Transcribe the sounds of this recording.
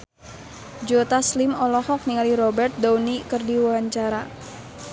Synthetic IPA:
d͡ʒot̪aslimɔlɔhɔk̚niŋaliɾɔbɛrt̪̚daunikərdiwuwaɲt͡ʃaɾa

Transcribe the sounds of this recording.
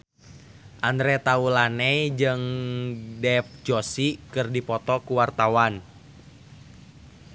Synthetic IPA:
ʔand̪ɾɛt̪aulanɛid͡ʒɨŋ | dɛfd͡ʒɔsikɨrdipɔt̪ɔkuwart̪awan

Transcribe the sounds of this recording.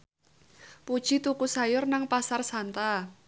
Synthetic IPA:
pud̥ʒ̥i̤t̪ukusajʊrnaŋpasarsant̪a

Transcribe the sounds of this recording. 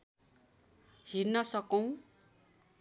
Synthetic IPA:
hirnʌsʌkʌw̃

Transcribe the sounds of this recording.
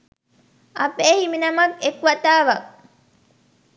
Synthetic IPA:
ɐpeːhiminɐmɐkekuʋɐt̪aːʋɐ

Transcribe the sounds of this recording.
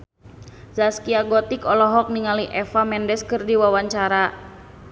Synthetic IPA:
zaskiaɡɔt̪ikɔlɔɦɔk̚niŋaliʔɛfamɛndɛskɨrdiwawaɲt͡ʃaɾa

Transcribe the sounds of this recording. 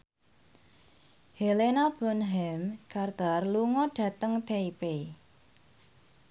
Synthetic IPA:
helenab̥ɔ̤nɦɛmkard̪̥arluŋɔɖ̥ä̤t̪əŋt̪ʰeipe

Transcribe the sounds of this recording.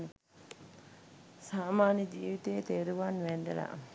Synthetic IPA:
ne | saːmaːnɐd͡ʒiːʋit̪eːt̪eːɾuʋaːnʋɛɳɖela̰ː

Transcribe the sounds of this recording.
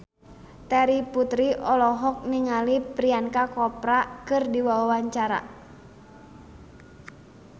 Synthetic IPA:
t̪ɛɾiput̪ɾiʔɔlɔɦɔk̚niŋalipɾiankakɔpɾakɨrdiwawawaɲt͡ʃaɾa̰

